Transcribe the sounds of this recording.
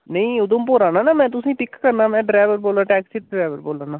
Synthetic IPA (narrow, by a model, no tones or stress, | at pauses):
nəĩːʊd̪õːmpoːɾãːnãːnaːmɛ̃ːt̪̬ʊsĩːpɪkkːəɾnaːmɛ̃ːɖɾaːʋəɾboːlãːʈɛːksiːɖɾaːʋəɾboːlãːnãː